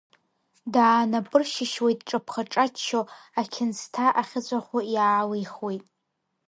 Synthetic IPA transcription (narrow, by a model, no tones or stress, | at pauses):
daːnapʼɨrʃɪʃwejtʼʈ͡ʂʼapʰχaʈ͡ʂʼat͡ʃʰːoakʲʰɪnstʰaʔaχʲɪt͡ɕʷʼaχʷʊjaːlejχwejtʼ